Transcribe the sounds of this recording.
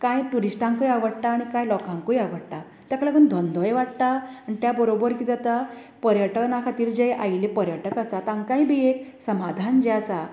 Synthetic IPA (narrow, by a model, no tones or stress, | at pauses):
kãjʈuɾisʈãŋkujaʋəɽt̪aːɽ̃ikãjlɔkãŋkujaʋəɽt̪a | t̪jakɭəɡənd̪ʱɔnd̪ɔjʋaʈt̪aaɳit̪jabəɾobəɾkid͡zat̪a | pəɾjəʈənakʰat̪iːɾd͡ʑejʔa̰jlipəɾjəʈəkasat̪ãŋkãĩbʱieksəmad̪ʱand͡ʑeasa